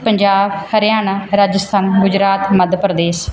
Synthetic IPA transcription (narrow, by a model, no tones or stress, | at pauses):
pəɲd͡ʒaːbhəɾjaːnaːɾaːd͡ʒəst̪ʰaːnɡʊd͡ʒɾaːt̪məd̪pɾəd̪eːs